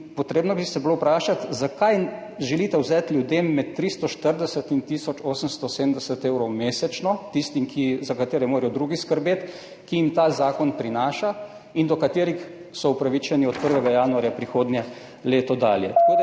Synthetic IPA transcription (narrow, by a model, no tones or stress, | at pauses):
pɔt̪ɾeːbnɔbisɛbilopɾaːʃat̪zakajʒɛlit̪ɛwzɛːt̪lʲjud̪eːmːɛt̪ːɾist̪ɔʃt̪əɾd̪ɛsət̪int̪isɔt͡ʃoːsəmst̪ɔsed̪md̪ɛsɛt̪eːwɾɔwmeːsɛt͡ʃnɔt̪ist̪imkʰizakat̪eːɾɛmoːɾɛjɔd̪ɾuːɡiskəɾbeːt̪ | kiimt̪aːzaːkɔnpɾinaːʃa | ind̪ɔkat̪eːɾix | sɔupɾaʋit͡ʃɛniɔt̪̚pəɾʋɛɡajaːnuaɾjapɾixoːd̪nʲjɛ | leːt̪ɔd̪aːljɛ̰t̪ḁkoːd̪a